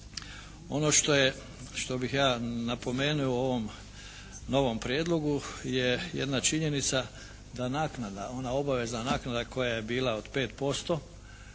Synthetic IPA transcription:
o̞no̞ʃt̪o̞je | ʃt̪o̞bixjaːnapo̞me̞ːnuooʋo̞m | no̞ʋo̞mpɾjeːd̪lo̞ɡujejḛd̪nat͡ʃiɲe̞nit̪sa | d̪anaːknad̪ao̞nao̞baʋe̞znanaːknad̪akʰo̞jaje̞biːlˠaod̪̥pe̞ːt̪po̞st̪o̞

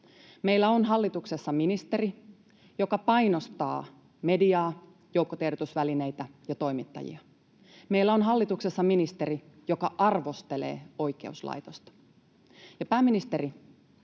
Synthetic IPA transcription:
me̞ilːæo̞nɦɑlːit̪ukse̞sːɑminist̪e̞ɾi | jo̞kɑpɑjnost̪ɑ̰ː | me̞diɑː | jowkːot̪erdot̪usʋæline̞jt̪æjɑt̪o̞imit̪ːɑ̰jḭɑ | meilːæo̞nɦɑlːit̪ukse̞sːɑminist̪e̞ɾi | jo̞kɑʔɑrʋo̞st̪e̞le̞̰ːo̞jke̞uslɑ̰jt̪ost̪ɑ̥ | jɑpæːmːinist̪e̞ɾi

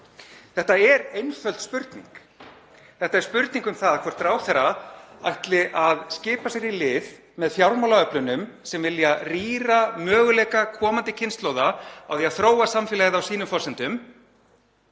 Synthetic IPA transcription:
θɛht̪aɛɾejnfœlt̪spʏɾt̪nḭŋk | θɛht̪aɛɾ̥spʏɾt̪niŋkʏmθaðkʰvɔr̥t̪ɾaːwθɛɾaajht̪lɪʔaðscɪːpasɛɾilɪːð | mɛðfjawlmawlaœplʏnʏmsɛmvɪljariːɾamœːɣʏlɛːjkakʰɔːmant̪ɪcʰɪnst̪lowðaa̰wθiaθɾoːwasamfɪlaɣðawsiːnʏmfɔsɛnt̪ʏm

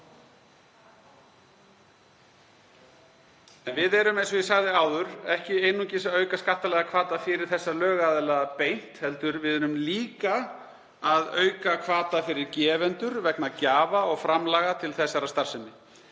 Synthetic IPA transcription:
ɛnvɪðɛɾʏmejns̬ɔvɛsaɣðɪaːwðʏɾɛhcɪeːjnucɪsaœːɥkaskaht̪ːalɛɣakʰv̥aːt̪afɪɾɪɾ̥θɛsːalœːɣaðɪlaðapejn̥t̪hɛlt̪ʏɾvɪðɛɾʏmliːka | aðœ̰ːɥkakʰvaːt̪afɪɾɪɾcɛːvɛnt̪ʏɾvɛknacaːvaɔɣfɾamlaːɣat̪ʰɪlθɛsːaɾast̪aɾ̥sɛnːɪ

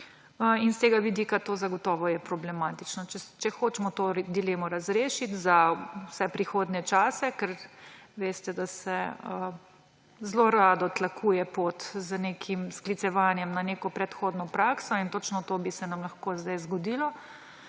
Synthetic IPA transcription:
əinst̪eːɡaʋid̪iːkat̪oːzaɡɔt̪ɔːʋɔjɛpɾɔblɛmaːt̪it͡ʃnɔt͡ʃɛt͡ʃɛxoːt͡ʃmɔt̪od̪ileːmɔɾazɾeːʃit̪zasɛpɾixoːd̪nɛt͡ʃaːsɛkɛɾʋeːst̪ɛd̪asɛə | zloɾaːd̪ɔt̪lakʰuːjɛpot̪zənekʰimsklit̪sɛʋaːnjɛmnanekɔpɾɛt̪xoːd̪nɔpɾaːksɔint̪ot͡ʃnɔt̪obisɛnamlɐxkoːzd̪ajzɡɔd̪iːlɔ

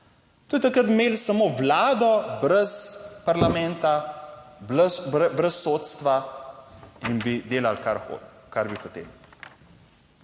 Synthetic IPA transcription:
t̪oːjt̪akɾət̪meːlsamoːwlaːd̪ɔbɾɛspaɾlamɛ̃nt̪abəbɾɛsːoːt̪st̪ʋa | inbid̪eːlalkaɾxo̰ | kaɾbixɔt̪ḛl

